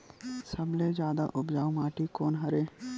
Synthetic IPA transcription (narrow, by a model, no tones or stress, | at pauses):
səbled͡ʒaːd̪a̰ʔʊbd͡ʒaːumaːʈikoːnɦɐɾeː